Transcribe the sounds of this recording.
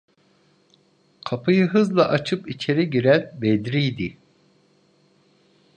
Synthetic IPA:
kʰapʰɯjɯɦɯzlˠaʔat͡ʃʰɯpit͡ʃʰe̞ɾiɟiɾænbed̪ɾijd̪i

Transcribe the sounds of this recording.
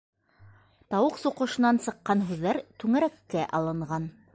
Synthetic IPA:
t̪ɑwɤqsuqɤ̆ʃɤ̆nɑnsɤ̆qːɑnɦʉðːæɾt̪ʉŋæɾækːæʔɑlˠɤ̆ɴʁɑn

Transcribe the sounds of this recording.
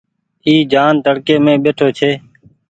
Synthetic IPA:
iːd͡ʒaːnt̪əɽkeːmẽːɓeːʈʰoːt͡ʃʰeː

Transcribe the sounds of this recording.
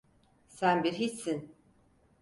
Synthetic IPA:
sænbiɾɦisːin

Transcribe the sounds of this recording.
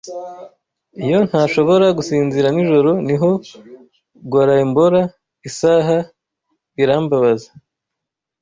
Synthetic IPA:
ijo̞n̥haːʃo̞βo̞ɾaɡusiːnziɾaniʒo̞ɾo̞niɦo̞ | ɡwaːɾaimboɾa | isaːɦa | iɾaːmbaβazḁ

